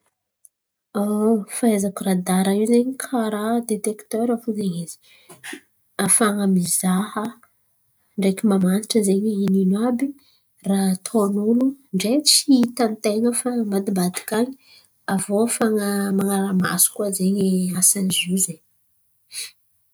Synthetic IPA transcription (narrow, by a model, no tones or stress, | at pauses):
afaezakurad̪aɾaiwzeɲikʰaɾad̪et̪ekt̪øɾafuzeɲizi̥ | afaŋəmizahə | ɳɖ͡ʐekʲimamaniʈ͡ʂəzeɲiininabi | rat̪ʰonuluɳɖ͡ʐet͡siit̪ant̪eŋəfaəmad̪ibad̪i̥kaɲi̥ | avofaŋəmaŋaɾama̰su̥kuazeɲiasanizizeɲ